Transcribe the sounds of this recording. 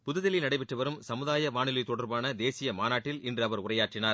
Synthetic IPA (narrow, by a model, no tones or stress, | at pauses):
pʊðɯðɪlɪlnɐɽɐɪpɪʈrɯʋɐɾɯmsɐmɯðaːjɐʋaːnɪlɪt̪ːɔɽɐɾbaːnɐd̪eːsɪjɐmaːnaːʈːɪlɪndrɯɐʋɐɾʊrɐjaːʈrɪnaːɾ